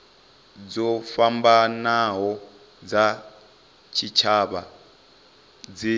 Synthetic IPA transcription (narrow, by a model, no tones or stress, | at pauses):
d͡zɔfambanaɦɔ | d͡za | t͡ʃʰit͡ʃʰaβa | d͡zi